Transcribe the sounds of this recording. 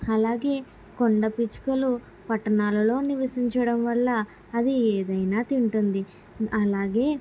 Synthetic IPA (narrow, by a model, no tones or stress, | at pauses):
ɐlaːɡe̞ː | koɳɖɐpit͡ʃkɐlu | pɐʈːɐnaːlɐlo̞ːniʋɐsiɲt͡ʃɐɽɐmʋɐlːɐː | d̪ieːd̪ɐjnaːt̪iɳʈund̪i | ɐlaːɡe̞ː